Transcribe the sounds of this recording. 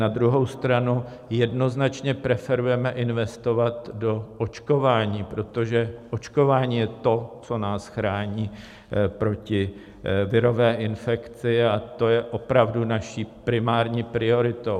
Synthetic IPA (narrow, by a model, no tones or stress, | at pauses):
nad̪ɾuɦo̞wst̪ɾanu | jɛdno̞znat͡ʃɲɛpɾɛfɛɾujɛmɛʔɪnvɛst̪o̞vat̪do̞ʔot͡ʃko̞vaːɲiːpɾo̞t̪o̞ʒɛʔot͡ʃko̞vaːɲiːjɛt̪o̞t͡so̞naːsxɾaːɲiː | pɾo̞cɪ | vɪɾo̞vɛːʔɪnfɛkt͡sɪat̪o̞jɛʔo̞pɾavdunaʃiːpɾɪmaːɾɲiːpɾɪo̞ɾɪt̪o̞w